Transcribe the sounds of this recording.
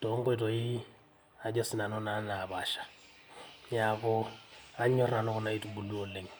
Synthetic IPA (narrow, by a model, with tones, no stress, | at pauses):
tɔ˨˦ŋ̩˦kɛ˦˨tɔ˨i˦ | a˦d͡ʒɔ˦sɪ˦na˨nɔ˦na˦na˨baː˨ʃḁ˨ | ja˨kɔ˦a˦ɲɔ˦ra˨nɔ˦kʊ˦na˦i˦tu˨bu˨lu˦ɔ˨le˨ŋ̩